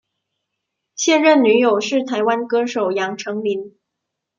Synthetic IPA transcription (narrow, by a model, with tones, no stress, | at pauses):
ɕjɛ˥˧nɻə˥˩nny˧˥jo˨˩ʊʂɻ̩˥˩t̪ʰa˧˥ɪwa˥nkɤ˥ʂo˨˩ʊjɑ˧˥ŋʈ͡ʂʰɤ˧˥ŋli˧˥n